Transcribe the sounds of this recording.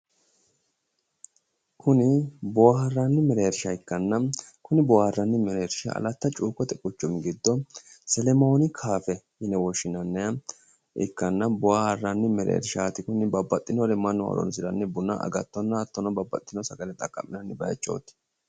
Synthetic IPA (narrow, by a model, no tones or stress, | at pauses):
kʰʊnɪbɔwahɐrːɐnːɪmɛɾeːɾʃɐɪkːɐnːɐkʊnɪbɔwahɐrːɐnːɪmɛɾeːɾʃɐ̰ɐ̰lɐt̪ːɐt͡ʃʼuːkʼːɔt̪ɛkʼʊt͡ʃːɔmɪɡɪd̪ːɔ | sɛlɛmoːnɪkʰaːfɛ | ɪnɛwɔʃːɪnɐnːɛ | ʔɪ̰kːɐnːɐbɔwahɐrːɐnːɪmɛɾḛːɾʃaːt̪ɪkʊnɪbɐbːɐt̪ʼːɪnɔɾɛmɐnːʊɐ̰d̪ɔ̰nsɪɾɐnːɛbʊnːɐ̰ʔɐ̰ɡɐt̪ːɔnːɐːt̪ːɔnɔbɐbːɐ̰t̪ʼːɪnɔsɐɡɐlɛt̪ʼɐkʼːɐ̰mɪnɐnːɪbɐjɐ̰t͡ʃʼːo̰ːt̪ːɪ̥